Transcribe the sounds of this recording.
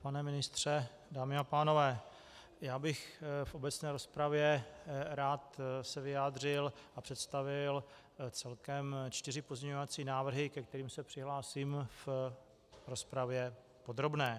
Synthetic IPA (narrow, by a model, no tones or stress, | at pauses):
panɛmɪnɪst̪r̝̥ɛ | daːmɪapaːno̞vɛː | jaːbɪxfʔo̞bɛt͡snɛːɾo̞spɾavjɛɾaːt̪sɛvɪjaːd̪r̝ɪlʔapr̝̥ɛt̪st̪avɪl | t͡sɛlkɛmt͡ʃt̪ɪrɪpo̞zɲɛɲovat͡siːnaːvr̩ɦɪkɛk̚t̪ɛɾiːmsɛpr̥ɪɦlaːsiːmf | ɾo̞spɾavjɛ | po̞d̪ɾo̞bnɛː